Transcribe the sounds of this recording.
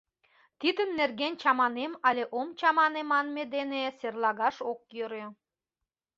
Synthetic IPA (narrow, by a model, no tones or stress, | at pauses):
t̪id̪ə̆nːerɣenʲt͡ɕɑmɑnemɑlʲeʔomt͡ɕɑmɑnemɑnmed̪eneserlɑɣɑʃokjøɾø